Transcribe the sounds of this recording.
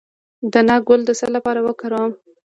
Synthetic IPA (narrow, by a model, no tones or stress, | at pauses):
d̪ənɑɡʊld̪əsəlapɑɾawəkaɾam